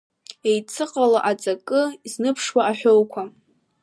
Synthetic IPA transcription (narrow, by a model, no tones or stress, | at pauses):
ejt͡sʰɨqʼalaʔat͡sʼakʼɨiznɨpʰʂwaaħʷᶣolkʷʰa